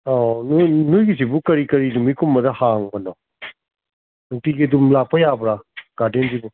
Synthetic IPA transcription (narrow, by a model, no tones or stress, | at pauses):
onunujɡizibukɐɾikɐɾidumikʰumːɐdɐhaŋbɐnɔ | nuŋtiɡidumlak̚pɐjabɾaɡ̥aɾdenzibu